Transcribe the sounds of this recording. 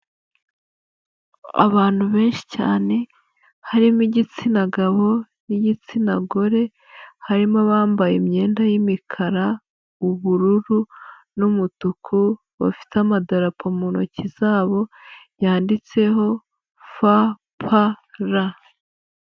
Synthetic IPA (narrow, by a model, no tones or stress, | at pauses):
a̰βaːn̥huβe̞ːnʃi̥ca̰ːne̞ | haɾimiɟit͡sinaɡaβo̞ | niɟit͡sinaɡo̞ɾe̞ | haɾimoβaːmbajemɲe̞ːndajimikʰaɾa | uβuɾuɾu | numutukʰu | βa̰fi̥tamadaɾapʰomuno̞̰ciz̥aːβo̞jaːndit͡se̞ɦo̞ | fa | pʰaɾa